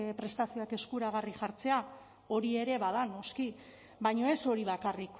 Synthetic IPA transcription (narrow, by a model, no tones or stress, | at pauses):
pɾe̞st̪asio̞ake̞skuɾaɣ̞ariʝaɾt͡se̞a | o̞ɾie̞ɾe̞βaðano̞ski | bajɲo̞e̞so̞ɾiβakarik